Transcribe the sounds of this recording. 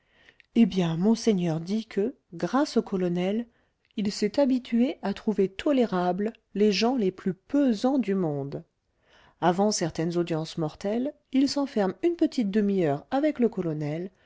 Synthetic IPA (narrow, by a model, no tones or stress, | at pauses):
ebjɛ̃mɔ̃sɛɲœʁd̪ikʰə | ɡʁasokʰɔlɔnɛl | ilsɛt̪abit̪ʰɥeat̪χuvet̪ʰɔleʁabl | leʒɑ̃leplypøzɑ̃d̪ymɔ̃d̪ | avɑ̃sɛʁt̪ɛnzod̪jɑ̃smɔʁt̪ɛl | ilsɑ̃fɛʁmynpət̪it̪̚d̪əmiœʁavɛkləkɔlɔnɛl